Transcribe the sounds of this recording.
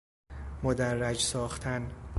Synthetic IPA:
mod̪ærːæd͡ʒsɒːxt̪ʰæn

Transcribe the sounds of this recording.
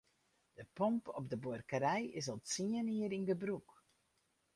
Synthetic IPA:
d̥əpɔmpɔpdəborkəɾɛjɪs̬ɔlˠtsiəniəɾindəbruk

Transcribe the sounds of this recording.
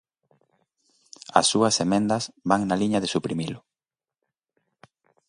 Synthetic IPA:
ɐ̰sːuɐsemẽnd̪ɐsβaŋnaliɲɐðesupɾimilʊ

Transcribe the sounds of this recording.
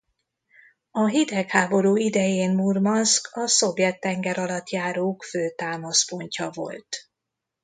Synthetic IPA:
ɒɦid̪ɛkhaːbo̞ɾuːid̪ɛjeːnmurmɒskʰɒso̞vjɛt̪ːɛŋɡɛɾɒlɒt̪jaːɾoːkføːt̪aːmɒspo̞ɲcɒvo̞̰lt̪

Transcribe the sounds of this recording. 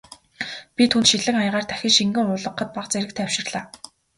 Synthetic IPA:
pʲit̪ʰunt̪ʃiɮɘ̆ŋajʁaːrt̪ʰæxʲɪ̆ŋʃiŋɡɘ̆ŋʊːɮə̆qːə̆t̪̚paqt͡seɾɘ̆k̚t̪ʰæwʃɪ̆rɮaː

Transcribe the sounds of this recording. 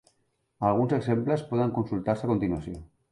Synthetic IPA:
alɣ̞unseksemplespoðaŋkonsult̪aɾseakont̪inuasjo

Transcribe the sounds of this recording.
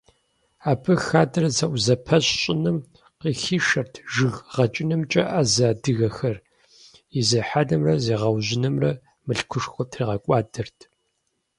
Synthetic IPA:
aːpʰɨxaːdrɐzɐʔʷzɐpʰɐɕɕʼɪnɨm | qiːxiːʃɐrtʰʒɨɣʁɐt͡ʃʼɪnɨmt͡ʃʼɐʔaːzaːdɨɣɐxɐr | izɐħaːdɐmrɐzeːʁɐwʑɪnɨmrɐ | mɨɬkʷʰʊʂxʷʊtʰriːʁɐkʷʼɑːdɐrtʰ

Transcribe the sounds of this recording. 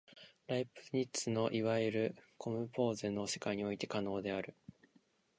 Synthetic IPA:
ɾaipɯ̥ɲ̟it͡sɨno̞ʔiβaiɾɯ̟kʰo̞mɯ̟po̞ːzenːoːɕi̥kaiɲ̟io̞it̪e̞kano̞ːd̪e̞aɾɯ̟

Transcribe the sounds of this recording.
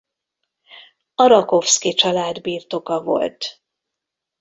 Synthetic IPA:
ɒɾɒko̞fskit͡ʃɒlaːd̪biːrt̪o̞kɒvo̞̰lt̪

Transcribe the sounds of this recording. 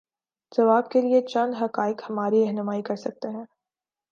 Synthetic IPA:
z̥ɐʋaːb̚keliet͡ʃɐ̃nd̪ɦɐqaːɪkhɐmaːɾiɾɛɦnʊmaːikɐɾsɐk̚t̪eɦɛ̃ː

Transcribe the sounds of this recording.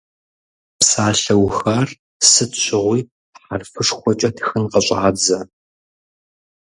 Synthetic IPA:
psaːɬɐwxɐr | sɨtɕʷɪʁʷiː | ħarfɨʂxʷɔt͡ʃʼɐtʰxɨnqɐɕʼaːd͡zɐ

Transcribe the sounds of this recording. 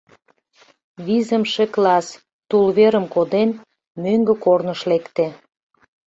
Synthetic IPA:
βizəmʃeklɑs | t̪ulβeɾəmkod̪en | møŋɡə̆kornəʃlekt̪e

